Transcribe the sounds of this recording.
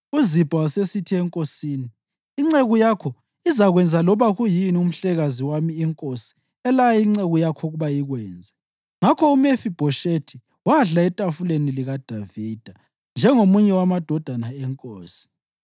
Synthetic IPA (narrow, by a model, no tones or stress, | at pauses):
uzib̥ʱawasesitʰiɛŋkʼosiːniː | ŋ͡ǀeɣujakʰɔ | izaɣwɛnd͡zʱalɔβaɣujinium̩ɬɛɣaziwamiːŋkʼosi̥ | ɛlajajiŋ͡ǀeɣujakʰɔɣuβajiɣwɛːnd͡zʱɛ | ŋakʰɔumefib̥ʱɔʃetʰi | waɮaɛtʼafuleniliɣad̥ʱavid̥ʱa | nd͡ʒʱɛŋomuɲɛwamad̥ʱɔd̥ʱanaɛŋkʼoːsi̥